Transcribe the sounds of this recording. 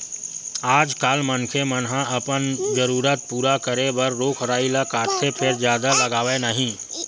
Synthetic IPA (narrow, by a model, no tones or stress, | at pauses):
aːd͡ʒkaːlmənkʰemənɦãəpənd͡ʒəɾuːɾət̪̚puːɾakəɾebɐɾːoːkʰɾaːilakaːt̪ʰːepʰɪɾd͡ʒjaːd̪aləɡaːʋenəɦĩː